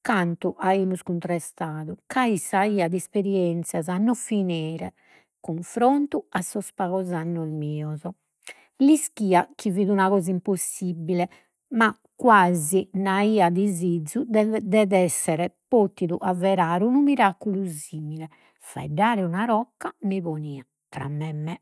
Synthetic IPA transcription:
kant̪uʔaimuskunt̪ɾɛst̪aːðukaisaiːad̪ɛspeɾiɛnt̪sjazanːɔfinɛːɾɛ | kuɱfɾont̪uasːɔspaɣɔzanːɔzmiːɔzɔ | liskiːakiviːðunaɣɔːzaimposːibilɛ | ma | kːwazinaiːad̪izid̪zud̪ɛðɛsːɛɾɛpot̪ːiðuʔavɛɾaːɾunumiɾakːuluziːmilɛ | fa̰ɛɖːaːɾɛunaɾɔkːamiβoniːa | t̪ɾa̰mːɛmːɛ

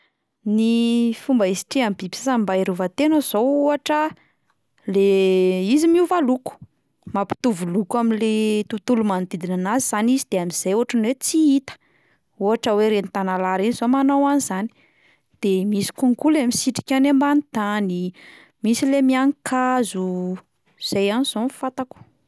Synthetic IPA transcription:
nifumbaisi̥ʈ͡ʂiambibisasambaiɾuvat̪enəz̥ouaʈ͡ʂə | leizimiuvaluku̥ | mapi̥t̪uvulukaminlet̪ut̪ulumand̪id̪inanaziz̥anizid̪̥eamiz̥ajuaʈ͡ʂanwet͡siit̪ə̥ | uɦaʈ͡ʂəweɾenit̪analaɾinizomanawanizani̥ | d̪̥emisi̥kuŋkulemisiʈ͡ʂi̥kʲanembanit̪ani | misilemiaŋkʰazu | z̥ajaniz̥onffat̪aku̥

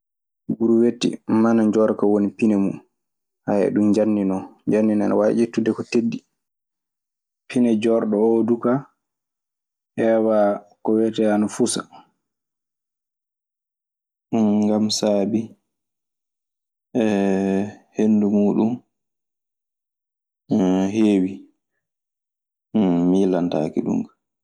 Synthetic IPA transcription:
buɾuwetːḭmanad͡ʒɔɾkawonipinɛmṵm | hajɛ̰ɗumɲd͡ʒanːinɔɲd͡ʒanːina̰na̰waʔetːudɛkɔtedːi | pʰinɛd͡ʒɔɾɗɔoduka | hɛwakɔwɛtɛanafusa̰ | ŋɡamsaːbi | ɛ | henːdumuːɗum | heːwi | milanta̰ːkiɗṵŋɡ

